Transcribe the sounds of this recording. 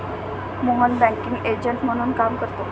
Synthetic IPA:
moɦənbɛ̃kiŋɡeɾd͡ʑəɳʈm̤əɽ̃uːnkamkəɾt̪o

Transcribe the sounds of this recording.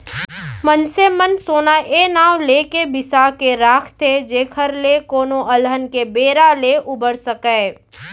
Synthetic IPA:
mənsemənsoːnaʔeːnaːwleːkebɪsakeɾaːkʰt̪ʰed͡ʒeːkʰəɾlekoːnoʔɐlɦənkebeːɾaleʔʊbəɾsəkəː

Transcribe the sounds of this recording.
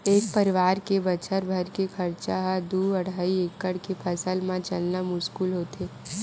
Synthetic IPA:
eːk̚pəɾɪʋaːɾkebət͡ʃəɾbʱəɾkekʰəɾt͡ʃaɦad̪uɐɽ̤aːieːkːəɽkepʰəsəlmãt͡ʃəlnəmʊskuːlɦoːt̪eː

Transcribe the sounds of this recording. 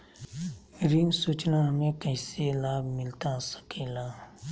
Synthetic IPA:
ɾɪ̃ŋɡsuːt͡ʃnamẽkɛːselaːbmɪlt̪asə̥kʰeːlaː

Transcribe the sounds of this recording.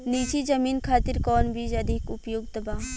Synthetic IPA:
niːt͡ʃid͡ʒɐmiːnkʰaːt̪ɪɾkɔːnbiːd͡ʒɐd̪ʱɪkʊpjoːɡd̪ɐbaː

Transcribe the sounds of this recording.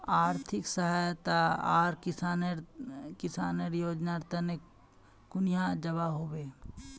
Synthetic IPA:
aːɾt̪ʰɪksəɦaːjt̪aaːɾkɪan | kɪsaːneɾjoːd͡ʒnaɾt̪əne | kʊnɪjad͡ʒɐbaɦoːʋeː

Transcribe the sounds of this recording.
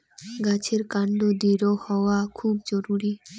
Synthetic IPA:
ɡat͡ʃʰeɾkaɳɖod̪iɾohɔwakʰuːbd͡ʒɔɾuɾi

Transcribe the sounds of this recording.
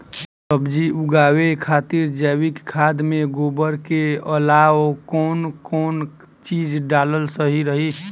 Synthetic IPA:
səbd͡ʒiʔuɡaːwekʰaːt̪iɾd͡ʒɛːwikkʰːaːd̪mẽɡoːbəɾkeəlaːwkɔːnkɔːn | t͡ʃiːd͡ʒɖaːləlsəɦiɾəɦi

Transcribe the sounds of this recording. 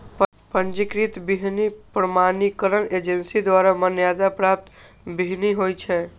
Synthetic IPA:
p | pənd͡ʒikɾit̪biɦnipɾəmanikəɾəned͡ʒensid̪waɾamənjad̪apɾap̚t̪ | biɦniɦojt͡ʃʰɛ

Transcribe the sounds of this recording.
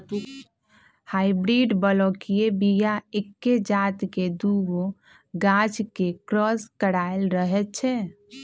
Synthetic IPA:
haibɾiɖbəlɔkiebijaekːed͡ʒat̪ked̪uɡo | ɡad͡ʒkekɾɔskəɽaelɾəɦɛt͡ʃʰɛ

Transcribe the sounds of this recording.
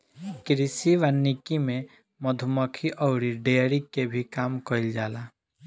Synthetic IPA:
kɾisiʋanːikimẽ | məd̪ʱuməkʰiʔɔːɾiɖeɾikebʱikaːmkɔild͡ʒaːlaː

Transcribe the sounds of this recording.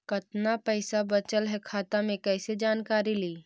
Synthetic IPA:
kɐt̪napɛɪsabɐt͡ʃəlɦɛkʰaːt̪amẽkɛːsed͡ʒaːnkaːɾiliː

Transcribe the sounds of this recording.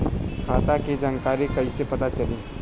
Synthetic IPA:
kʰaːt̪aked͡ʒankaːɾekɐisepɐt̪at͡ʃɐleː

